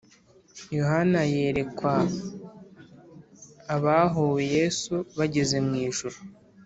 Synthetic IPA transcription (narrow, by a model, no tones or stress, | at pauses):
jo̞ɦanaje̞ːɾe̞kwa | βaɦoweje̞ːsuβaɟe̞ze̞mŋiːʒuɾu